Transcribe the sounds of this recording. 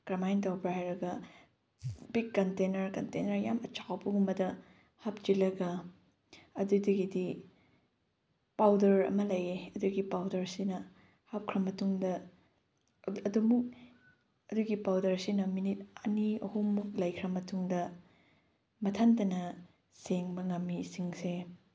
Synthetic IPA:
kɾamajntawpɾaɾɐɡɐ | bikːɐntenɐɾkɐntenɐɾjamɐt͡ʃawbɐɡumbɐdɐ | hap̚d͡ʒilɐɡɐ | ɐdudɐɡidi | pawdɐɾɐ̰mɐlɐjeɐduɡipawdɐɾsinɐ | hap̚kʰɾɐmɐtuŋdɐ | ɐdumuk̚ | ɐduɡipawdɐɾsinɐminit̚ɐniɐhumːuk̚lɐjkʰɾɐmɐtʰuŋdɐ | mɐtʰantɐnɐ | seŋbɐŋɐmːisiŋse

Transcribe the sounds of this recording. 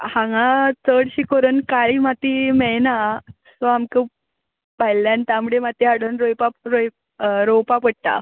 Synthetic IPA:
hãŋɡat͡səɽɕikoɾənkaɭimat̪imɛɭna | sɔamkə | pajljant̪amɽemat̪iaɽənɾojpaɾoj | ɾowpapəɽ̚t̪a̰

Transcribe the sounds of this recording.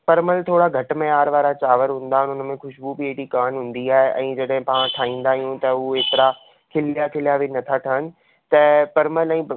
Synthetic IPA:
pɐɾməlt̪ʰoːɽaɡʱɐʈmẽaːɾʋaːɾat͡ɕaːʋəɾɦʊ̃ːnd̪aːɦɪnɪʊnmẽxʊʃbubieːʈikaːnɦʊ̃ːn̆d̪iaːɦeʔɛ̃ːd͡ʑɐɗɦɪ̃pãːʋə̃ʈʰaːɦĩːnd̪aːɦijũt̪ɐueːt̪ɪɾa | kʰɪljakʰɪlijaʋɪnɐt̪ʰaʈʰəɦənɪ̆ | t̪ɐpɐɾməlɛ̃ː

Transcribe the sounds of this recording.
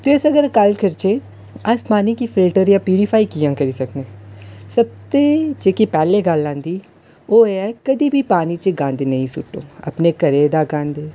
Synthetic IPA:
t̪eːsəɡəɾkəlkəɾt͡ʃeː | əspaːniːkiːpʰɪlʈəɾjãːpiːɾipʰaːiːkijãːkəɾiːsəkneːsəb̚t̪eːd͡ʒeːkiːpɛːleːɡəlːãːnd̪iː | oːeːɛkəd̪iːbʱiːpaːniːt͡ʃəɡãːnd̪enəĩːsʊʈːõ̰ːə̰pneːkəɾeːd̪aːɡãːnd̪eː

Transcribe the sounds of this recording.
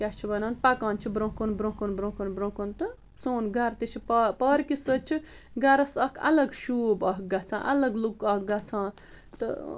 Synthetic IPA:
kʲat͡ʃʰibɐnaːnpɐkãːnt͡ʃʰibɾõkonbɾõkonbɾõkonbɾõːkont̪ɨ | soːnɡɐɾt̪it͡ʃʰippɐɾkisɨt͡ʃʰi | ɡɐɾɐsɐkʰɐ̰lɐɡʃuːbɐk̚ɡɐt͡sʰã̰ːʔɐlɐɡlukɐhɡat͡sʰãː | t̪ɨ̰

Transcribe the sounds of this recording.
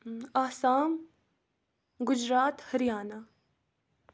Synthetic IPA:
aːsaːm | ɡʊd͡ʒɾaːt̪hɐɾjaːna

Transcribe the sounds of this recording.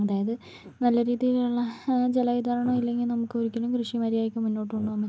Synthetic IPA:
ɐðaːjɐðɨ | nɐlːɐɾiːðijiluɭːɐd͡ʑe̞lɐʋid̪aːɾɐɳɐmilːe̞ŋɡilnɐmukːɨoɾukʲːɐlumkrɨʂimɐɾijaːjikʲːumunːo̞ːʈːuɳːuɐmːi

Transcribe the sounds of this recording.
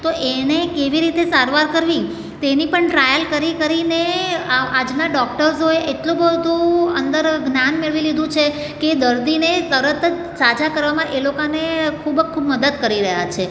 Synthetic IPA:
t̪oʔenekeʋiɾit̪esaɾʋaɾkəɾʋi | t̪enipəɳʈɾajəlkəɾikəɾine | ad͡ʒnaɖɔk̚ʈəɾzɦoeʔeʈlũbəɦd̪ũənd̪əɾɡnanmeɭʋilid̪ũt͡ʃʰe | ked̪əɾd̪inet̪əɾət̪əd͡ʒ | sad͡ʒakəɾʋamãʔelokanekʰubkʰubməd̪əd̪kəɾiɾəɦja̰t͡ʃʰe

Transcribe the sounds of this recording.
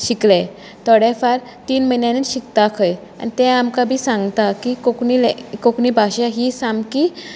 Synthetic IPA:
ʃikle | t̪ʰɔɽefaɾ | t̪iːnmənjaneʃik̚t̪akʰəj | a̰nt̪ɛ̃amkabʱisãŋɡt̪akikoknilkoknibʱaʃaɦisamki

